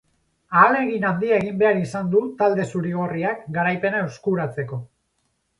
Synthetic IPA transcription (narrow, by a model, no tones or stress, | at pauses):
aːle̞ɣinand̪iaeɣ̞imbe̞aɾisand̪ut̪ald̪e̞suɾiɣ̞o̞riakɡaɾajpe̞nae̞wskuɾat͡se̞ko̞